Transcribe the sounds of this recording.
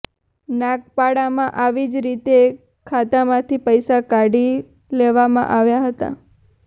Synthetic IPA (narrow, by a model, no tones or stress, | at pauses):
nãk̚paɽamãʔaʋid͡ʒɾit̪e | kʰat̪amãt̪ʰipəjsakaɽi | leʋamã̰ʔaʋjaɦət̪a̰